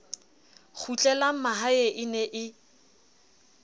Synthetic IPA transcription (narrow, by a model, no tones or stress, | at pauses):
k͡xʰut͡ɬʼɛlamaɦaeʔɪnɛʔɪ